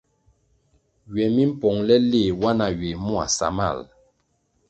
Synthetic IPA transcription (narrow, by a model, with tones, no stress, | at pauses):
ɥɛ˨mi˦m̩˦pɔ˨ŋlɛ˦le˦˨wa˦na˨ɥe˨mu˦a̰˨sa̰˨ma̰˦˨l